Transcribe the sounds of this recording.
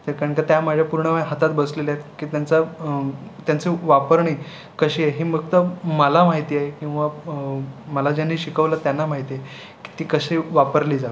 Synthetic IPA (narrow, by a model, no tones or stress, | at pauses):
t̪əɾkaɾəɳkat̪jamad͡ʑʱjapuɾɳəʋajɦat̪at̪bəslelaet̪kiːt̪jant͡sə | t̪jant͡siːʋapəɾɳiː | kəɕiːaɦiːməɡ̚t̪əməlamaɦit̪iaɦekĩw̃ʋa | məlad͡ʑanːiːɕikəʋlat̪janːamaɦit̪iae | ki̥t̪iːkəɕiʋapəɾliːd͡zaʋ